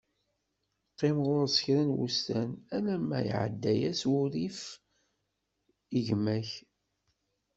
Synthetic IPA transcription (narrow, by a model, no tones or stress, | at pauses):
qːɪmʁʊɾsə̥çɾænwṵst̪ænælæmæ̰jʕə̰d̪ːæjæswʊɾif | iʝmæç